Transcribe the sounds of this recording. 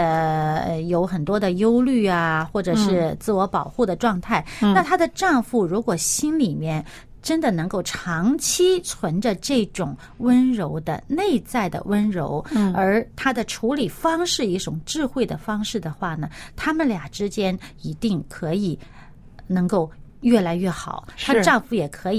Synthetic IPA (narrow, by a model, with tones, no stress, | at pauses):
jo˧˥ʊxə˨˩nt̪wɔ˥d̪ə˨jo˥ʊly˥˩a˩xwɔ˥˩ʈ͡ʂɤ˨˩ʂɻ̩˥˧t͡sɹ̩˥˩wɔ˧˥pɑ˨˩ʊxu˥˩d̪ə˩ʈ͡ʂwɑ˥˧ŋt̪ʰa˥˩ɪa˥˧t̪ʰa˥d̪ə˨ʈ͡ʂɑ˥˧ŋfu˥˩ɻu˧˥kwɔ˨˩ɕi˥nli˨˩mjɛ˥˧n | ʈ͡ʂə˥nd̪ə˨nɤ˧˥ŋko˥˩ʊʈ͡ʂʰɑ˧˥ŋt͡ɕʰi˥t͡sʰwə˧˥nʈ͡ʂə˧ʈ͡ʂɤ˥˩ʈ͡ʂʊ˨˩ŋ | wə˥nɻo˧˥ʊd̪ə̰˧ne˥˧ɪt͡sa˥˩ɪd̪ə̰˩wə˥nɻo̰˧˥ʊə˞˧˥t̪ʰa˥d̪ə˨ʈ͡ʂʰu˧˥li˨˩fɑ˥ŋʂɻ̩˥˧i˥˩ʈ͡ʂʊ˨˩ŋʈ͡ʂɻ̩˥˧xwe˥˩ɪd̪ə˩fɑ˥ŋʂɻ̩˥˩d̪ə˩xwa˥˩nə˩t̪ʰa˥mə˨nlja˨˩ʈ͡ʂɻ̩˥t͡ɕjɛ˥ni˧˥t̪i˥˩ŋkʰɤ˧˥i˨˩˦ | nɤ˧˥ŋko˥˩ʊɥɛ˥˩la˧˥ɪɥɛ˥˩xɑ̰˨˩˦ʊt̪ʰa˥ə˧ʈ͡ʂɑ˥˧ŋfu˥˩jɛ˨˩kʰɤ˧˥i˨˩